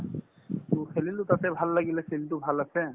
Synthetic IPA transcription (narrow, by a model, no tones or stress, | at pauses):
t̪usʰelilut̪at̪ɛbʱalːaɡilɛselitubʱalasɛ